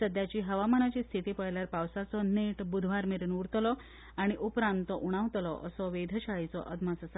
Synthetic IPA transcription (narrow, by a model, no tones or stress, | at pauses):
əd̪jat͡ɕiːɦəʋamanat͡ɕiːst̪ʰit̪ipəjljaɾpawsat͡sɔneʈbud̪ʱʋaɾmeɾinuɽt̪lɔ | aɽ̃iʔupɾãnt̪əʔuɽ̃aʋt̪lɔʔəsɔʋed̪ʱəɕaɭit͡sɔ̰ʔəd̪ʱmasəs